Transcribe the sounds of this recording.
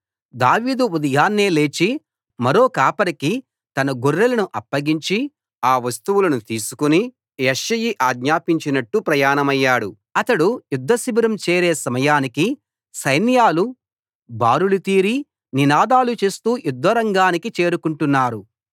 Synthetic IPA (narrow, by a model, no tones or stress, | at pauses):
d̪aːʋiːd̪uud̪ɐjaːnːeːle̞ːt͡ʃi | mɐɾo̞ːkaːpɐɾiki | t̪ɐnɐɡorːelɐnuʔɐpːɐɡiɲt͡ʃi | aːʋɐst̪uʋulɐnut̪iːsu̥kuni | jeʃɐjiʔaːɡɲaːpiɲt͡ʃinɐʈːupɾɐjaːnɐmɐjːaːɽu | ɐt̪ɐɽujud̪ʱːɐsibiɾɐmt͡ʃeːɾeːsɐmɐjaːniki | sɐjnjaːlu | baːɾulut̪iːɾi | ninaːd̪aːlut͡ʃe̞ːst̪uːjud̪ʋɐɾɐŋɡaːnikit͡ʃe̞ːɾukuɳʈunːaːɾu